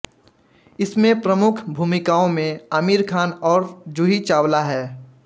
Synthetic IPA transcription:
ɪsmẽpɾəmʊkʰbʱuːmɪkaːõmẽəmiːɾkʰaːnɔːɾd͡ʒuɦit͡ʃaːwlaɦɛː

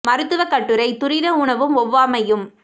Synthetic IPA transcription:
mɐɾɯt̪ːɯʋɐkːɐʈːɯɾɐɪt̪ʊɾɪɾɐʊɳɐʋɯmɔʋːaːmɐjɯm

